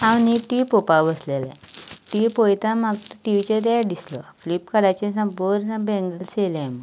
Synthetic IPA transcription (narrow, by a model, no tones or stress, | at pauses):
ãwniʈipopabəslelɛ̰ | ʈipojt̪ãmaɡ̪ʈiʋit͡ɕed̪ɛd̪islɔ̰flipkəɽat͡ɕẽsãboɾsãbɛ̃ŋɡəlselamə